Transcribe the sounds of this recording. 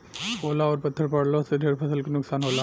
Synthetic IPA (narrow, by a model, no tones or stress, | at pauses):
ɦoːlaɔːɾpɐt̪ʰːəɾpɐɽlosed̪ʱeɾpʰəsəlkenʊksaːnɦoːla